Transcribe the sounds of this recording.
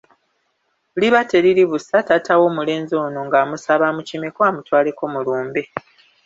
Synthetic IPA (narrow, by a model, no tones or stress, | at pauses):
uliβate̞ɾiɾiβusatatʰawo̞ːmule̞ːnzo̞ːno̞ŋɡaːmusaβamucime̞koamutwaːle̞ko̞muluːmbe̞